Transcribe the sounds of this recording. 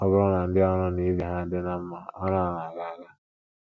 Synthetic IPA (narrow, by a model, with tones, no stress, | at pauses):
ɔ˦bʊ˦ɾɔ˦na˨n̩˦dɪ˦ɔ˦ɾɔ˦ni˦vi˦ɦa˦dɪ˦na˦m̩˦ma˦ɔ˦ɾɔ˦a˨na˨ɡa˨ɡa˦